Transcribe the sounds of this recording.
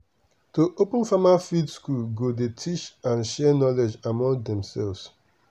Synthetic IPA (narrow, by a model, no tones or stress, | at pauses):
toʔopə̃nfamafidskulɡodetʰit͡ʃãnʃɛnɔlɛd͡ʒamɔ̃ŋdɛ̃msɛlvs